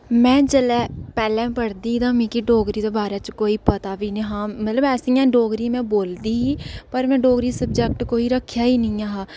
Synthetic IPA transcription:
mɛ̃ːd͡ʒəlɛːpɛːlɛ̃ːpəɽd̪iːd̪ãːmĩːkiɖoːɡɾiːd̪eːbaːɾɛːt͡ʃkoːiːpət̪aːʋiːnĩːɦãːmət̪ləbɛːsiːãːɖoːɡɾiːmɛ̃ːboːld̪iːɦiːpəɾmɛ̃ːɖoːɡɾiːsəbd͡ʒɛk̚ʈkoːiːɾəkʰːjaːiːnĩːaːɦaː

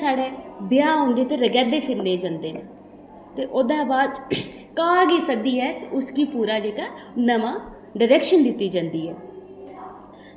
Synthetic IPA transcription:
saːɽeːbɪjaːɦõːnd̪eːt̪eːɾəɡɛːd̪eːpʰɪɾneːd͡ʒãːnd̪eːneː | t̪eːʔoːd̪ãːbaːd̪ | kaːɡiːsək̚d̪iːɦɛːt̪eʊskiːpuːɾaːd͡ʒeːkaːnəmãː | ɖəɾɛːkʃənd̪ɪt̪ːiːd͡ʒãːnd̪iːɦɛː

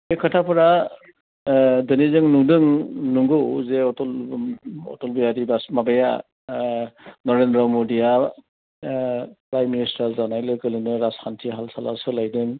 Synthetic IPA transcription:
ekʰatʰapʰɯɾa | dɯnizɯŋnudɯŋnuŋɡɯwzeɔtɔl | ɔ̰tɔlbijaɾibasmabaja̰ | nɔɾendɾɔmodija | pɾajmːinistazanajlɯkɯlɯnɯɾaskʰantʰiɦalsalasɯlajdɯŋ

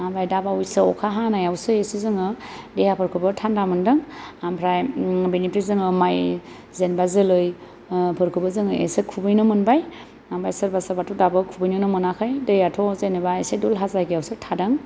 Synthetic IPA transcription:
ambajdabaujsɯɔkʰaɦanajawsɯesɯzɯŋɯ | dehapʰəɾkʰɯbɯtʰandamɯndɯŋampʰɾajbiniptizɯŋɯmaj | zenbazɯlɯj | pʰɯɾkʰɯbɯzɯŋɯḛsɯkʰubɯjnɯmɯnbaj | ambajsɯɾbasaɾbatudabɯkʰubɯjnɯnɔmɯnakʰɯjdɯjatʰɔzenɯbaesedulɦazaɡijawsɯtʰadɯŋ

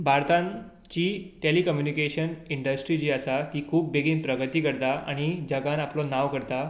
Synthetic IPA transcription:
bʱaɾt̪ãn | t͡ɕiːʈelikəmjunikeɕəniɳɖəsʈɾiːd͡ʑiːəsat̪iːkʰuːp̚beɡiːnpɾəɡət̪iːkəɽt̪aʔa̰ɽ̃id͡ʑəɡãnaplɔnaʋkəɾt̪a

